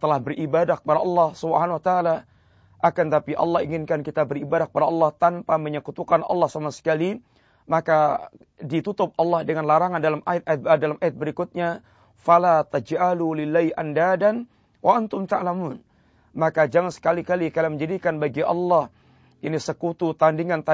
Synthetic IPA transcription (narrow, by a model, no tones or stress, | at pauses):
t̪əlahbərʔibadahkə̥padaʔɑlːɑhsubəhanawat̪aːla | ʔakant̪apiʔɑ̰lːɑhiŋɪnkankit̪abəɾibadahkəpadaɑlːɑht̪ampaməɲəkut̪ukanʔɑ̰lːɑhsamasə̥kali | maka | dit̪ut̪ʊp̚ɑlːɑhdəŋanlaɾaŋandalamʔajat̪̚ajat̪̚dalamʔajat̪̚bəɾikʊt̪̚ɲa | falat̪ad͡ʒʔalulɪlːaiʔandadan | wʔaʔant̪ʊmt̪aʔlamuːn | makad͡ʒaŋansə̥kalikalikalaməɲd͡ʒadikanbaɡiʔɑ̰lːɑh | ʔinisəkut̪ut̪andiŋant̪a